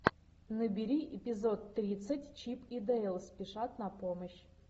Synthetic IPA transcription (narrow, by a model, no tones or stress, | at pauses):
nɨbʲiɾʲiʔipʲizot̪ːɾʲit̪sətʲt͡ʃipid̪əɛlˠspʲiʂat̪napoməɕ